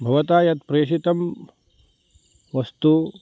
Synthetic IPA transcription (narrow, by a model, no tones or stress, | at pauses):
bʱɐʋɐt̪aːjɐt̪pɾeːʂit̪ɐm | ʋɐst̪u